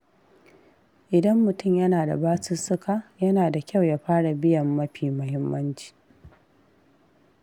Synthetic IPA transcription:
ʔɪ˨dɐ˦mːʊ˨tʊ˦mjɐ˦naː˨da̰˨baː˦sɪ˦sʊ˦ka˨jɐ˦naː˨da˨kʲʰa˦˨wjaː˦ɸaː˦ɽa˨bɪ˦jɐ˨mːɐ˦ɸiː˨mʊ˦hɪ˦mːɐ˦nt͡ʃi̥ː˨

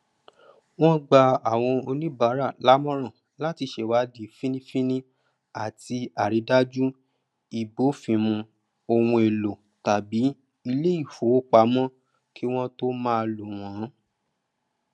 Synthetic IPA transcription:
w̃ɔ̃˦ɡ͡ba˧a˨w̃ɔ̃˧o˧nĩ˦ba˨˦ɾa˦˨la˨˦mɔ̃˦ɾ̃ɔ̃˦˨ | la˦˨ti˧ʃe˨wa˨˦di˨fĩ˦nĩ˦fĩ˦nĩ˦ | a˨ti˧a˨ɾi˨˦da˦d͡ʒu˦ | i˨bo˨˦fĩ˧mũ˧ | o˧wũ˧e˨lo˨ | ta˨bi˨˦ | i˧le˦i˦˨fo˨˦k͡pa˧˦mɔ̃˦ | kʰi˦w̃ɔ̃˦to˦mãː˦˧lu˨w̃ɔ̃˨˦

